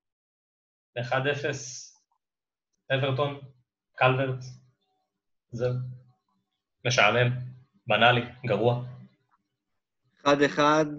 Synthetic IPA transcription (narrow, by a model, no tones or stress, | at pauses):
eχad̪efe̞s | ʔeveʁt̪o̞n | kalveʁt | ze | meʃaʕle̞m | banaliɡaʁua | eχad̪eχad̪